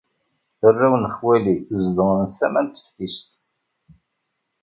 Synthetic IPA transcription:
ərːæwnəχwæliuzd̪əŋənsæmænt̪ːə̥fθist̪

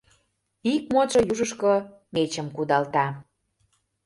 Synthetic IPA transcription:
ik̚mot͡ʃŏjuʒə̆ʃko | met͡ɕə̆mkud̪ɑlt̪ɑ

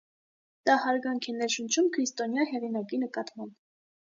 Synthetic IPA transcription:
d̪̥ɑhɑɾɡɑŋkʰɛnɛɾʃənt͡ʃʰumkʰɾist̪ɔnjɑɦɛʁinɑkinəkɑt̪mɑmb

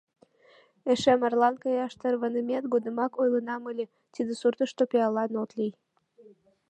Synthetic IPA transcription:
eʃemɑrlɑnkɑjɑʃt̪ərβənəmet̪ɡod̪əmɑkojlənɑməlʲe | t̪id̪esurt̪əʃt̪opeɑlɑnot̪lij

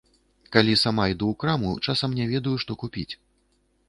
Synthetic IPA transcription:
kalʲisamaid̪uwkɾamut͡ʂasɐmnʲɛvʲɛd̪ɐjuʂt̪ɔkupʲit͡sʲ

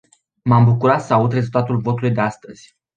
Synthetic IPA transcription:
mambukuɾat̪səaud̪re̞zult̪at̪ulvo̞t̪ulujd̪e̞ast̪əz̥ʲ

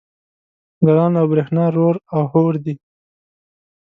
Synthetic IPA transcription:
ɡaɾɑnawbɾexnɑɾoɾawhoɾd̪i

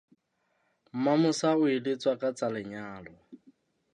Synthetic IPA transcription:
m̩mamʊsaʊilɪt͡sʼwakʼat͡sʼalɪɲaːlɔ

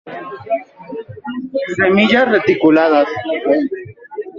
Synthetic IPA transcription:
semiʎasret̪ikulaðas

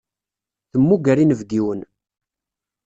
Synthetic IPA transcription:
θəmːuɡæɾinəvɡiwən

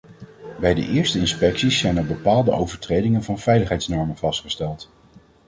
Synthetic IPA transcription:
bɛjdə̰ʔɪːɹstəɪnspɛksisːɛjnəɹbəpaːlˠdəʔowvəɹtrejdɪŋənvɑnv̥ɛjləχɦɛjtsnɔɹmənvɑstχəstɛlˠt

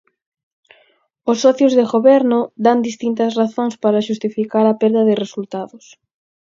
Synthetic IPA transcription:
osːɔθjʊzðɪɣoβɛɾnʊd̪and̪ist̪int̪ɐsraθoŋspaɾɐʃust̪ifikaɾɐpɛɾðɐðɪresult̪aðʊs

